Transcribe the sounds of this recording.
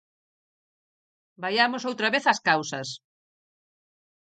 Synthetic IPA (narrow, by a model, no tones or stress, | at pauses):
bajamosowt̪ɾɐβeθɐskawsɐs